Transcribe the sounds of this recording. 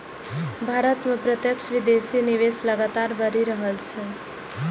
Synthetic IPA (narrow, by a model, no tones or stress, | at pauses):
bʱaɾət̪mepɾət̪jəkt͡ʃʰʋid̪esiniʋesləɡat̪aɾbəɾiɾəɦəlt͡ʃʰɛ